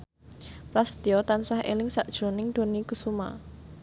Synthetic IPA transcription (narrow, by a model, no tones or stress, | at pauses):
plasə̥d̪iɔt̪ansahʔḛlɪŋsaʔd̥ʒ̥ɾonɪŋd̪̥o̤nikəsuma̰